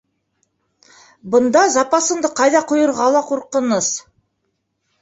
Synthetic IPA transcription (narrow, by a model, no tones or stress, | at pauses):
bɤ̆nd̪ɑzɑpɑsɤ̆nd̪ɤqɑjðɑqŏjɤ̆ɾʁɑlˠɑquɾqɤ̆nɤs